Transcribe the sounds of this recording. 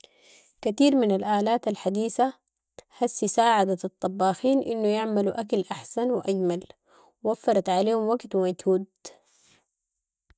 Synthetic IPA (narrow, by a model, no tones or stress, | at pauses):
kat̪iːɾminalʔaːlaːt̪alħad̪iːsa | hasːisaːʕad̪at̪ɑt̪ˤːɑbːɑːxiːnʔinːujɪʕmaluʔakalʔaħsanwɪʔaɟmal | wwafːɑɾˤɑt̪ʕaleːhumwaɡt̪wimaɟhuːd̪